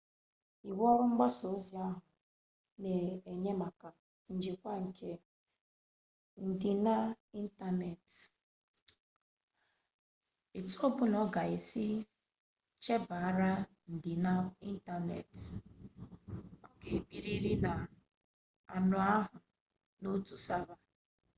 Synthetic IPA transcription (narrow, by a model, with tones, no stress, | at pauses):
i˨wɔ˦ɾʊ˦ŋ͡m̩˦ɡ͡ba˦so˨˦zi˨a˦ɦʊ˨ | ne˨e˨ɲe˦ma˨ka˨ | n̩˨d͡ʒi˨kʷa˦ŋ̩˨kʰe˨ | n̩˨di˨na˦ | i˦n̩˦ta˦ne˨t | i˨to˦bʊ˦nɔ˦ɡa˨e˨si˦ | t͡ʃe˦ba˨a˦ɾa˦ | n̩˨dɪ˨na˦i˦n̩˦ta˨nḛ˨t | ɔ˦ke˨bi˦ɾi˦ɾi˦na˨ | a̰˨nʊ˨a˦ɦʊ˨ | no˦tu˨sa˦ba˦